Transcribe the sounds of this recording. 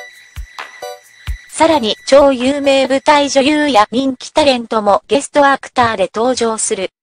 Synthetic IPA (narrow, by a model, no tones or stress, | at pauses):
saɾaɲ̟it͡ɕo̞ːjɯːme̞ːbɯ̟t̪aiʑo̞jɯːjaɲ̟ĩŋkʲi̥t̪aɾẽ̞nt̪o̞mo̞ɡe̞sɨ̥t̪o̞akɯ̥t̪aːd̪e̞t̪o̞ːʑo̞ːsɨɾɯ̟